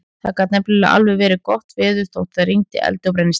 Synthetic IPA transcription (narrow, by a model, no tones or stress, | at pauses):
θa̰kat̪nɛplɛla̰ʔa̰lvɛvɛːɾɪkɔht̪vɪːðʏθowht̪θaðɾiŋt̪ɪ̰ʔɛ̰lt̪ʏpɾɛjnɪs